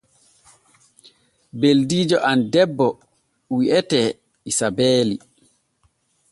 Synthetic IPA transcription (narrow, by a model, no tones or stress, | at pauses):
beldiːd͡ʒɔʔandɛbːɔ | wiʔɛtɛ | isabeːli